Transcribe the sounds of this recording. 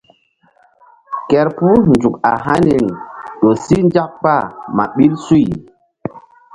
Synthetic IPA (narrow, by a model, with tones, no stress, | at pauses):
kɛ˨ɾpu˦nd͡ʒu˨ka̰˨ɦa˦ni˨ŋ˨ɗo˨si˦nd͡ʒa˦k̚k͡pa˦˨ma̰˨ɓi˦lsu˦˨j